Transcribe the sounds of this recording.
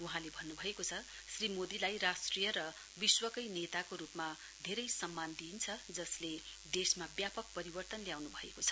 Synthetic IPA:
uɦãlebʱʌnːubʱʌekot͡sʰʌ | srimod̪ilajrasʈrijʌɾʌ | biswʌkʌjnet̪akoɾupma | d̪ʱeɾʌjsʌmːand̪int͡sʰʌd͡zʌsled̪esmabjapʌk̚pʌɾibʌrt̪ʌnljawnubʱʌekot͡sʰʌ̥

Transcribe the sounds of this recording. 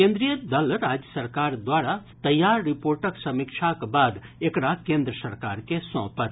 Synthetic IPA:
kẽːnd̪ɾijəd̪ɐlɾaːd͡ʒjəsɐɾkaːɾd̪waːɾat̪ɐjːaːɾːɪpoːɾʈəksɐmɪkʃʰakbaːd̪ekɽakẽːnd̪ɾəsɐɾkaːɾkesɔ̃ːpət̪

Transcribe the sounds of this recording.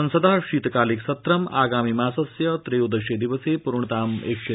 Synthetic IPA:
ɐnsəd̪ʱaɕiːt̪kaːliksɐt̪ɾɐma̰ːɡaːmiːmaːsɐsjɐt̪ɾeud̪əɕed̪iʋəsepuɾɳət̪aːmḛkʂe

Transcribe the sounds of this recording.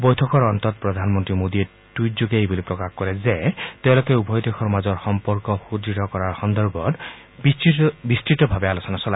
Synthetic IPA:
bɔjtʰɔkɔɹɔntɔt̚pɹɔdʱanmɔntɹimodiɛ | tujzoɡejbulipɹɔkaxkɔɹɛzɛteʊ̃lokɛubʱɔjdexɔɹmazɔɹxɔmpɔɹkɔxuditɔkɔɹaɹxɔnd̪ɔɹbʱɔt | bistɹitɔbʱabɛalosɔnasɔla

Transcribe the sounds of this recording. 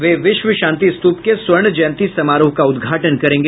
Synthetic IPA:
ʋeːʋɪʃʋəʃãːnt̪ist̪uːpkeswɐɾɳd͡ʒɐnt̪isɐmaːɾuːɦkaʊd̪ɡʱaːʈənkɐɾẽːŋɡe

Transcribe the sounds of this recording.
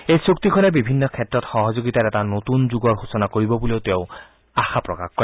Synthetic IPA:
ejsuk̚t̪ikʰɔnebibʱinːɔkʰetɹɔt̪xɔɦɔzoɡit̪aɾɛtanot̪unzuɡɔɹɦosɔnakoɹibɔbuleʊt̪eʊ | axapɹɔ̰ka̰xkɔɹɛ

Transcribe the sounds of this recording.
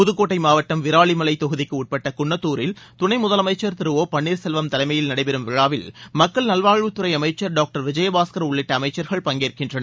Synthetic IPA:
pʊðɯkːoːʈːɐɪmaːʋɐʈːɐmʋɪɾaːɭimɐlɐɪt̪ɔɣɯðɪkːɯuːʈ̚pɐʈːɐkʊɳːɐt̪ːuːɾɪlt̪ʊɳɐɪmʊðɐlɐmɐɪt͡ʃːɐɾt̪ɪɾɯʋoːpɐɳːiːɾsɛlʋɐmt̪ɐlɐɪmɐjɪlnɐɽɐɪpɛɾɯmʋɪɻaːʋɪlmɐkːɐɭnɐlʋaːɻʋɯt̪ːɯɾɐɪɐmɐɪt͡ʃːɐɾɖaːk̚ʈɐɾʋɪd͡ʒɐjɐbaːskɐɾʊɭːɪʈːɐɐmɐɪt͡ʃːɐɾɣɐɭpɐŋɡeːɾkɪndrɐnɐ

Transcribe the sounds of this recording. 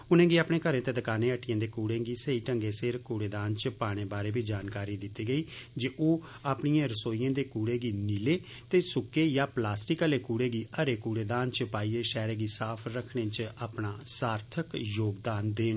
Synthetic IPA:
ʊnẽːɡiːaːpɳẽːkəɾẽːt̪eːd̪əkaːnẽːəʈːɪjãːd̪eːkuːɽẽːɡiːsəiːʈəŋɡeːsɪɾkuːɽeːd̪aːnt͡ʃəpaːɽ̃eːbaːɾeːbiːd͡ʒaːnkaːɾiːd̪ɪt̪ːiːɡəiːd͡ʒeʔoː | aːpɳijãːɾəsoːiːãːd̪eːkuːɽeːɡiːniːleː | t̪eːsʊkːeːjaːplaːsʈɪkəleːkuːɽeːɡiːəɾeːkuːɽeːd̪aːnt͡ʃəpaːiːeːʃɛːɾeːɡiːsaːpʰɾəkʰɽẽːt͡ʃaːpnaːsaːɾt̪ʰəkjoːɡd̪aːnd̪eːnː

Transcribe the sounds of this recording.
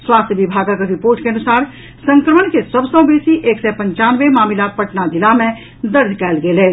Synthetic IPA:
swaːst̪ʰjəbibʱaɡakeɾipoːɾʈkeənusaːɾ | sə̃ŋkɾəmənkesəbʱsə̃besiʔeːksɛpə̃ɲt͡ʃanʋemaːmilapəʈnad͡ʒ̪ilamẽ | d̪əɾd͡ʒ̪ʱkɛːlɡelɛː

